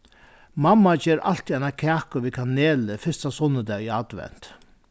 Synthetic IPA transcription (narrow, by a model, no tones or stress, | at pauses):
mamːat͡ʃeːɾʔa̰l̥t̪iɛnakʰæːkʊʋikʰaneːləfɪst̪asɔnːəd̪ɛːiad̪ʋɛ̰n̥t̪